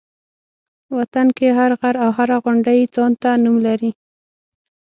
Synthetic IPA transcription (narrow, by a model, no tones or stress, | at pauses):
wat̪ankeɦaɾɣaɾawɦaɾaɣʊɳɖajt͡sɑnt̪anumlaɾi